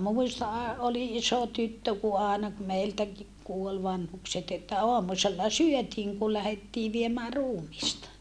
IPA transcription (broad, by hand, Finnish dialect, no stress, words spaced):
muˑistɑ ɑ oli ʔiso tytːø ku ɑːnɑ ku meiltæki kuol ʋɑnhukset etːæ oɑmuselːɑ syøtiːŋ ku læhetːiː ʋiemæː ruːmistɑ